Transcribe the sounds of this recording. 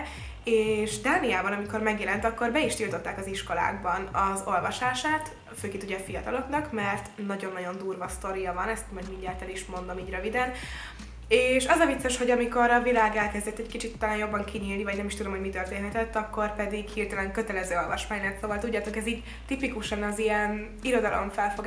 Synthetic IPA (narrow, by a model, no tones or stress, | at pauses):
eːʃd̪aːnijaːbɒnɒmiko̞rmɛɡjɛlɛnt̪ɒkːo̞rbɛiʃt̪ilt̪o̞t̪ːaːkɒziʃko̞la̰ːɡbɒnɒzo̞lvɒʃaːʃaːt̪ | føːkeːnuɟɛfijɒt̪ɒlo̞knɒkmɛrt̪nːɒɟo̞nːɒɟo̞nd̪uːrvɒst̪o̞ɾijɒvɒnɛst̪mɒɟmiɲdɛlt̪ɛliʃmo̞nd̪o̞miːɟrøvid̪ɛn | eːʃɒzɒvit̪sːeʃho̞ɟɒmiko̞ɾɒvilaːɡɛlkɛzd̪ɛt̪ːɛckit͡ʃit̪ut̪ːlaːnjo̞bːɒŋkʰiɲiːlnivɒɟnɛmiʃt̪ud̪o̞mhoɟmit̪ørt̪eːnɦɛt̪ɛt̪ːɒkːo̞rpɛd̪iɡhirt̪ɛlɛŋkø̞t̪ɛlɛzøːo̞lvɒʃmaːɲnɛrt̪soːvɒlt̪uɟːaːt̪o̞kɛziːɟ | t̪ipikuʃɒnɒzijɛn | iɾo̞d̪ɒlo̞̰ɱfɛlfoɡ